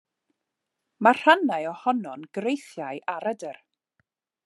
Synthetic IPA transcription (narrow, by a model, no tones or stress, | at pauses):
mar̥anajɔhɔnɔnɡ̥rejθjajʔaɾədər